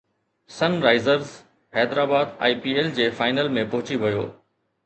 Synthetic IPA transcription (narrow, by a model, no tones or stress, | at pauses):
sɐnɾaːɪzəɾz | hɛːd̪ɾaːbaːd̪ã̰ːpiːeld͡ʑeːfaːɪnəlmẽpɐɦʊt͡ɕiʋɐjo̰ː